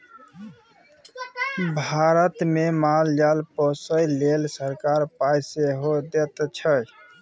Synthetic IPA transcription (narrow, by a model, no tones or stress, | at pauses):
bʱaɾət̪memald͡ʒalpəsəjlelsəɾkaɾpajseɦod̪et̪t͡ʃʰəj